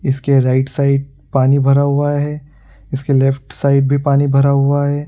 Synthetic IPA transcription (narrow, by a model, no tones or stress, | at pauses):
ɪskeɾaːɪʈsaːɪɖ̚ | paːnibʱɐɾaɦʊaɦɛː | ɪskelɛfʈsaːɪɖ̚bʱipaːnibʱɐɾaɦʊaɦɛː